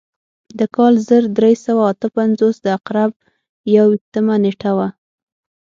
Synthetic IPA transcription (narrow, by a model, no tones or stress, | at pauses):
d̪əkɑlzəɾd̪ɾesawaːt̪əpanzosd̪əaqɾab̚ | jawiʃt̪əmaneʈawa